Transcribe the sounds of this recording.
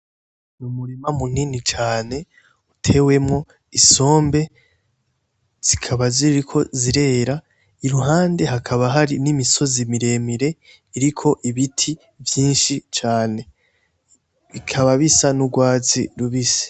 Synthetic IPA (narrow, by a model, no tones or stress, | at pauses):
numuɾimamuninit͡ʃaːne̞ | utʰe̞we̞mŋo̞ | iso̞ːmbe̞ | z̥ikʰaβaziɾikʰo̞ziɾe̞ːɾa | iɾuɦaːnde̞ɦakʰaβaɦaɾinimiso̞zimiɾe̞miɾe̞ | iɾikʰo̞ʔiβitʰi | vjiːnʃit͡ʃaːne̞ | βikʰaβaβisanuɡwaːzḭɾuβise̥